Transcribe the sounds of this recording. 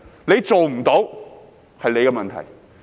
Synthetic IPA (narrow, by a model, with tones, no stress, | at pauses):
ne˨˧jt͡so˨wm̩˨˩t̪o˨˥w | hɐ˨jle˨˧jkɛ˧mɐ˨nt̪ʰɐ̰˨˩j